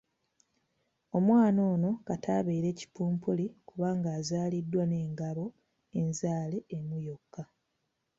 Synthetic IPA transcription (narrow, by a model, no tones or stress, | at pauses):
o̞mwaːno̞ːno̞katʰaːβe̞ːɾe̞ːci̥puːmpulikuβaːŋɡaːzaːlidːwane̞ːŋɡaβo̞ | e̞nzaːle̞emujo̞kːa